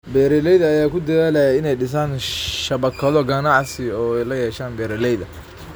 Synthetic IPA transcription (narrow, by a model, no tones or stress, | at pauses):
bɛːɾɛlɛjðɐːjaːkʰʊd̪ɐðaːlɐjɐɪnɛjɖɪs̬aːnʃɐβɐkʰɐðɔɡɐnɑʕsɪɔːɛjlɐjɛːʃaːnbɛːɾɛlɛjðɐ